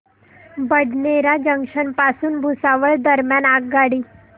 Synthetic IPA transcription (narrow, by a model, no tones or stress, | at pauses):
bəɖneɾad͡ʑəŋkʂənpasuːnbʱusaʋəɭd̪əɾmjanaɡ̚ɡaɽiː